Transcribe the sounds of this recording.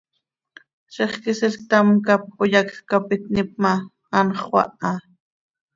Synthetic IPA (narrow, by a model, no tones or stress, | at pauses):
ʃeχkɪsɪlt̪amkap̚ʊjakkapɪt̪̚nɪp̚maː | nχwa̰ʔa